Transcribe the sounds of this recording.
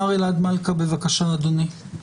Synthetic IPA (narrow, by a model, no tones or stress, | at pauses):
aʁilad̪malkabevakaʃaːd̪oni